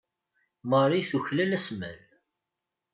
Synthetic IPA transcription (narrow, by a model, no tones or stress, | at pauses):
məɾˤiθuçlælæsmæ̰l